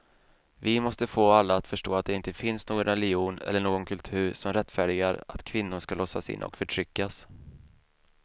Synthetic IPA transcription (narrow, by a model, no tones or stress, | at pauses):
vɪmɔst̪əfoːalːaːt̪fœʂʈoːat̪̚d̪ɛɪnt̪əfɪnsnoːɡɔnɾɛlɪuːnɛ̰lːəɳoːɡɔnkʰɵlt̪ʰʉ̟ːɾʂɔmɾɛt̪ːfæːɖɪɡaɾat̪kʰvɪnːʊʂkalɔsːasɪ̰nʔɔ̰kfœʈʰɾʏkːas